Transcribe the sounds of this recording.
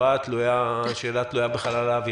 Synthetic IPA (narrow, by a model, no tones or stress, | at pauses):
at̪lujaʃeːlat̪lujabeχalalaːvi